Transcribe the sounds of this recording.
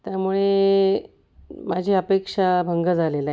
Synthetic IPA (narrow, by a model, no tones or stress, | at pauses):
t̪jamuɭe | mad͡ʑʱiəpekʂabʱəŋɡəd͡zʱalela